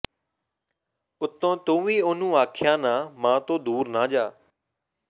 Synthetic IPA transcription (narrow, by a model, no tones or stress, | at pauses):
ʊt̪õːt̪õːʋĩːʊn̤ũːaːkʰjãːnãːmãːt̪oːd̪uːɾnãːd͡ʒaː